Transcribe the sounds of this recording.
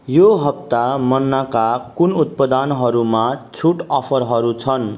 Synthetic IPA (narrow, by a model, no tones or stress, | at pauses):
joɦʌp̚t̪amʌnːakakunut̪̚pʌd̪anɦʌɾumat͡sʰuʈʌpʰʌɾɦʌɾut͡sʰʌn